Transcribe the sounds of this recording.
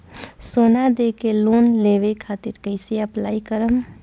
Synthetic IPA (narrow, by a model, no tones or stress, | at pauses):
soːnad̪eːkeloːnleːʋekʰaːt̪ɪɾkəɪseəplaːikəɾəm